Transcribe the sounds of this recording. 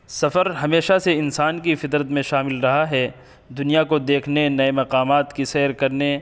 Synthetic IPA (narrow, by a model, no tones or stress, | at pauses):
sɐfəɾɦɐmeːʃaseɪnsaːnkifɪt̪ɾət̪mẽʃaːmɪlɾɐɦaɦɛ | d̪ʊnijakod̪eːkʰnenɐemɐqaːmaːt̪kisɛːɾkɐɾne